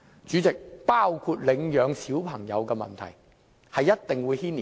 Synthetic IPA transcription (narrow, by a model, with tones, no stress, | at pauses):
t͡ʃyː˨˥t͡sɪ˨k̚paː˥wkʰu˧t̚lɪ˨˧ŋjœː˨˧ŋsiː˨˥wpʰɐ˨˩ŋjɐ̰˨˧wkɛː˧mɐ̰˨nt̪ʰɐ̰˨˩j | hɐ˨jːɐ˥t̚t̪ɪ˨ŋwuː˨˧jhiː˥ni˨